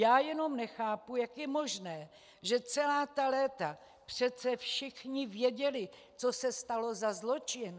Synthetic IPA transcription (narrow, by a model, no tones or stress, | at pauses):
jaːjɛno̞mnɛxaːpujakjɛmo̞ʒnɛː | ʒɛt͡sɛlaːt̪alɛːt̪a | pr̝̥ɛt̪t͡sɛfʃɪxɲɪvjɛɟɛlɪ | t͡so̞sɛst̪alo̞zazlo̞t͡ʃɪn